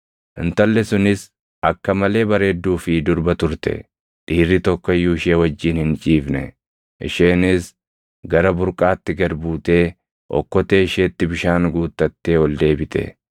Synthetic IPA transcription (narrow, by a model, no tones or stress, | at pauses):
ʔɪnt̪ɐlːɛsʊnɪs | ɐkːɐmɐle̞ːbɐɾe̞ːd̪ːuːfɪd̪ʊɾbɐt̪ʊɾt̪ɛ̰ | ᶑiːrːɪt̪ɔkːɔjːuːɪʃe̞ːwɐd͡ʒːiːnhɪnt͡ʃʼiːfnɛ̰ | ʔɪ̰ʃeːnɪs | ɡɐɾɐbʊɾkʼaːt̪ːɪɡɐɾbuːt̪e̞ː | ʔɔ̰kːɔt̪e̞ːɪʃeːt̪ːɪbɪʃaːŋɡuːt̪ːɐt̪ːe̞ːwɔld̪e̞ːbɪt̪ʰɛ̰